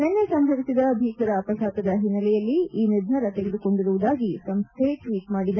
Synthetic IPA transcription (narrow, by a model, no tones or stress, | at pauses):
nenːesɐmbʱɐɾisid̪ɐbʱiːkɐɾɐːpɐlaːt̪ɐd̪ɐɦinːɐlɛjɐlːiiːned͡ʒ̪nɐɾɐt̪eɡed̪uko̞ɳɖiɾuʋud̪aːɡisɐmst̪ʰeʈʋiːʈmaːɽid̪a